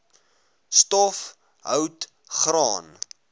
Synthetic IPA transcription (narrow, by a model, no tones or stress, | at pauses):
stɔf | ɦəwt | χrɑːn